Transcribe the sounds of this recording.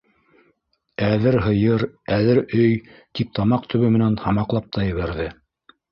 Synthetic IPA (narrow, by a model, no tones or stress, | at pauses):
æðɘɾɦɤ̆jɤɾæðɘɾɵjt̪ip̚t̪ʰɑmɑq̚t̪ʰɵ̆βɵmɘ̆nænhɑmɑqlˠɑp̚t̪ʰɑjɘ̆βæɾðɘ